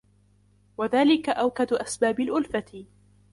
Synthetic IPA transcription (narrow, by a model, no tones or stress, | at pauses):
waðaːlɪkaʔawkad̪ʔasbaːbalʔʊlfat̪ɪ